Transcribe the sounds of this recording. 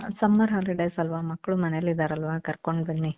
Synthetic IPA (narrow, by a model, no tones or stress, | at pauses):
sɐmːɐɾɦaːliɖejsɐlʋaːmɐkːɐɭumɐnejɐlːid̪aːɾɐlʋaːkɐɾkoɳɖbɐnːi